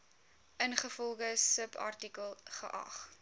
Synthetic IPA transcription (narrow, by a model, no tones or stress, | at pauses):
ʔənχəfɔlˠχəsəpʰɐ̰rtikəlˠχə̰ʔɐ̰χ